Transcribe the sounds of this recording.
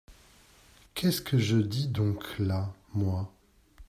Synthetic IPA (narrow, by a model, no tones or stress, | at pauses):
kʲʰɛskʰəʒəd̪id̪ɔ̃klamwa